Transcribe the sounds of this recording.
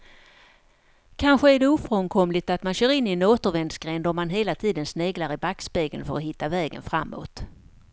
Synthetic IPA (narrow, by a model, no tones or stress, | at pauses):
kʰanɧəæɖɛuːfɾɔŋkʰɔmlɪt̪at̪manɕœːɾɪnːɪɛnoːt̪əɾvɛnd̪sɡɾɛnd̪ɔmːanɦeːlat̪ʰiːd̪ənsneːɡlaɾɪbaksbeːɡə̰nfə̰ɾɔɦɪt̪ːavɛːɡə̰nfɾa̰mːo̰ːt̪